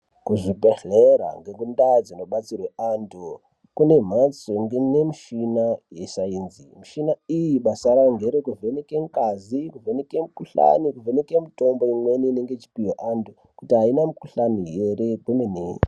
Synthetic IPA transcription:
kuʐibeɬeɾa̰ŋɡeŋɡundad͡zino̞ɓat͡sirweandʰu | kune̞m̤at͡soŋɡenemuʃinajeʃainzimuʃinaijiɓasaɾaŋɡe̞ɾekuve̞nekeŋkazikuvenekemukuɬa̰nikuvenekemito̞mbo̞imwe̞nineŋɡet͡ʃi̥pijoʔandu | kutiɦainamukuɬanije̞re̞kumene

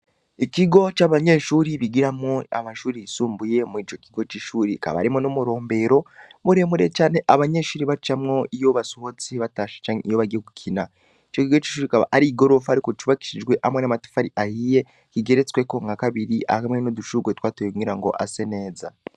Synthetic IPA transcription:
ikiɡo̞t͡ʃaβaɲe̞ːʃuːɾiβiɡiɾamŋoa̰maʃuːɾisuːmbuje̞mwit͡ʃo̞kiɡo̞t͡ʃiʃuːɾika̰βa̰ɾimonomuɾo̞ːmbe̞ɾo̞βuɾemuɾe̞t͡ʃaːne̞ʔaβaɲe̞ːʃuːɾiβat͡ʃamŋo̞ijo̞βasoho̞t͡siβataʃḁt͡ʃaɲeijoβaɡekukʰina | it͡ʃo̞kiɡot͡ʃi̥ːʃuːɾikaβa̰ʔaɾiɡo̞ɾo̞fahaɾikot͡ʃuβaki̥ʃid͡ʒɡwe̞ʔamwenamati̥faɾiʔahije̞ | kiɡe̞ɾet͡sweko̞ŋɡakaβiɾiʔa̰kamwenoduʃuɡwet̪waːtojoŋiɾaŋɡo̞̰ʔa̰se̞ne̞ːza̰

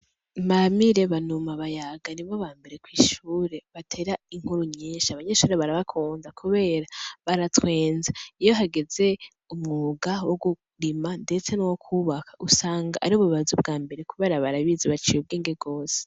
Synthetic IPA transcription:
mamiɾe̞βanumaβajaɡaniβoβaːmbe̞ɾe̞kwiːʃuːɾe̞βatʰe̞ɾaiŋ̥huɾuɲɲeːʃaβaɲe̞ʃuːɾeβaɾaβakʰuːnzakʰuβe̞ːɾaβaɾatwe̞ːnzaijo̞ɦaɡe̞ze̞ | umŋuɡawoɡu | ɾimande̞t͡se̞nowokʰuβakḁʔusaːŋɡaʔaɾioβuββazub̚ɡaːmbe̞ɾe̞kuβe̞ːɾaβaɾaβizeβat͡ʃijub̚ɡiːŋɡeɡo̞ːse̥

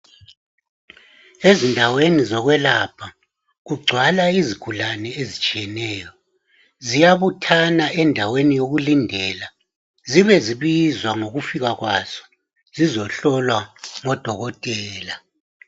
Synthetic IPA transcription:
ezindʱawenizɔɣwɛlapʰa | ɣuɡ͡ǀʱwalaizikʰulanɛezit͡ʃʼiɛnɛːjɔ | zijaβutʰanaʔɛndʱawenijoɣulindʱɛːla | ziβɛziβizwaŋoɣufiɣaɣwaz̥ɔ̥ | zizɔɬɔlwaŋɔd̥ʱɔɣɔtʼɛːla

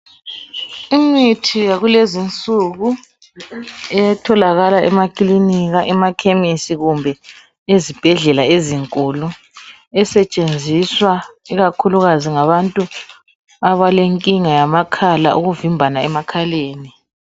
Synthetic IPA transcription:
imitʰijaɣulezint͡sʼuɣu | ɛjatʰɔlaɣalaɛmakʼliniɣaʔɛmakʰemisiɣumbʱɛ | ezib̥ʱɛɮɛlaeziŋkʼulu | ɛsɛt͡ʃʼend͡zʱiswaiɣakʰuluɣaziŋaβantʼu | aβaleŋkʼiŋajamakʰala̰ʔuɣuvimbʱanaɛmakʰaleːni

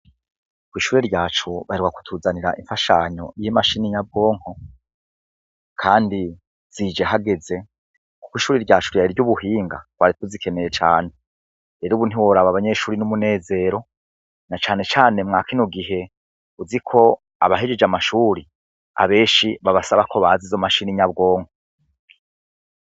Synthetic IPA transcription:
kwiːʃuːɾeɾɟaːt͡ʃuβaɾiɾɡwaku̥tʰuːzaniɾa̰ʔiɱfaʃaɲo̞̰jimaʃinijabo̞ːŋ̥ho̞ | kʰaːndi | z̥id͡ʒe̞ɦaɡe̞ze̞ | ku̥kwiːʃuːɾiɾɟaːt͡ʃuɾjaiɾɟuβuhiːŋɡa̰waɾituzikʰe̞nejet͡ʃa̰ːne̞ | eɾuβun̥iwoɾaβaβaɲe̞ʃuːɾinumune̞ːze̞ːɾo̞ | nat͡ʃaːne̞t͡ʃaːne̞mŋaːkinoɡiɦe̞ | uzikʰo̞ | a̰βaɦed͡ʒed͡ʒamaʃuɾi | a̰βe̞ːʃiβaβasaβakʰo̞βaːzizomaʃiniɲabɡo̞ːŋho

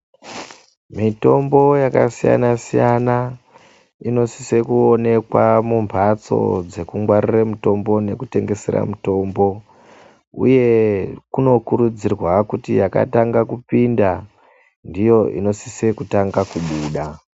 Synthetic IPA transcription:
mito̞mbo̞jaka̰sija̰nasijana | ino̞si̥se̞kuone̞kwamumpat͡so̞̰d͡ze̞kuŋɡwariramuto̞mbo̞ne̞kute̞ŋɡe̞se̞̰ɾa̰muto̞mbo̞ | ṵje̞kuno̞kuɾud͡zirwakutijaka̰taŋɡakupinda | ndijo̞ʔḭno̞sise̞kutaŋɡakuɓuːɗa

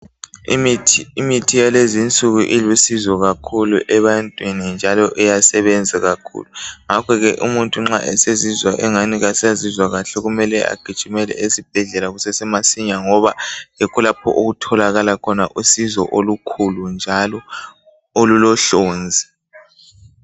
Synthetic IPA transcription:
imitʰijalezint͡sʼuɣuʔilusizɔɣakʰuluʔɛβantʼwinind͡ʒʱalɔʔɛjasɛβɛnd͡zʱaɣakʰṵːluŋakʰɔɣɛʔumuntʼuŋ͡ǁa̰ʔɛsezizwaʔɛŋaniɣasiazizwaɣaɬɛɣumɛlɛʔa̰ɡ̥ʱid̥ʱumɛlɛ̰esib̥ʱɛɮɛlaɣusɛsɛmasiɲaŋɔβaɛkʰulapʰɔ̰ʔoɣutʰɔlaɣalakʰɔnaʔusizɔ̰ʔolukʰulund͡ʒʱalɔ | olulɔɬoːnd͡zʱi

